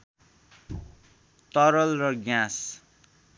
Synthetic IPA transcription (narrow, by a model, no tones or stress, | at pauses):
t̪ʌɾʌlrʌɡjãs